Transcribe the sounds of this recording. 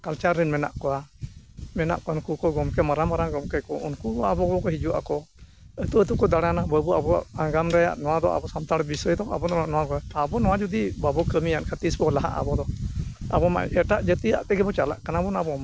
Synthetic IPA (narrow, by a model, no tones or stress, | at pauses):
kalt͡ʃaɾːɛnmɛna̰ʔkɔwa | mɛna̰ʔkɔnkukɔɡɔmkɛmaɾamaɾaɡɔmkɛkɔʔunkuabɔɡɔkɔɦid͡ʒuʔa̰kɔ | ət̪uət̪ukɔd̪aɽanabəbuabɔa̰ʔaɡamɾɛja̰ʔnɔwad̪ɔ̰ʔa̰bɔsamt̪aɽbisəjd̪ɔa̰bɔnɔaʔnɔwakɔaabɔnɔwad͡ʒud̪ibabɔkəmijankʰat̪isbɔlaɦa̰ʔa̰bɔd̪ɔa̰bɔma̰ʔɛʈaʔd͡ʒət̪ia̰ʔt̪ɛɡɛbɔt͡ʃala̰ʔkanabɔnabɔma